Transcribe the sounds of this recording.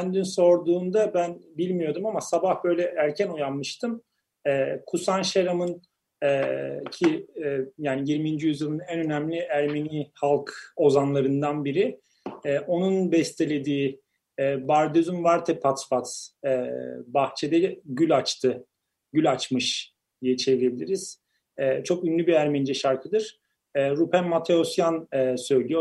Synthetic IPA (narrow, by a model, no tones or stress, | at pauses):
ænd̪ynso̞ɾd̪uːnd̪abænbilʲmijo̞d̪umamasabahbø̞jlʲɛæɾcʰænujanmɯʃt̪ʰɯm | ɛːkʰusanʃeɾamɯn | ɛcʰijaːnijiɾmind͡ʒijyzjɯlˠɯnænø̞næmlʲiæɾme̞niːhalˠko̞zanlˠaɾɯnd̪anbiɾi | ɛːʔo̞nunbɛst̪ʰe̞lʲe̞d̪iː | baɾd̪øzymvaɾt̪ʰɛpʰat̪fat̪ɛbaxt͡ʃʰed̪ɛɟylʲat͡ʃt̪ʰɯ | ɟylʲat͡ʃmɯʃ | d̪̥ijɛt͡ʃʰe̞vilʲebilʲiɾiz̥ | ɛːt͡ʃʰo̞kynlʲybiæɾmɛnd͡ʒɛʃaɾkʰɯd̪ɯɾ̥ | ɛːɾupʰænmat̪ʰeosjanɛsø̞jlʲijo